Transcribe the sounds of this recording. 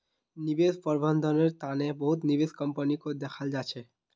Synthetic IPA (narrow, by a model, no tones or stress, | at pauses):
nibed̪pɔɾbɔnd̪ʱɔneɾt̪anebɔɦut̪nibed̪kɔmpənikod̪ɛkʰald͡ʒat͡ʃʰe